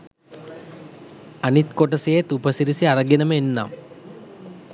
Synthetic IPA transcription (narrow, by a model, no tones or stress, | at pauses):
ɐnit̪koʈɐsijet̪upɐsiɾisiɐrɐɡinɐmenːa̰ːm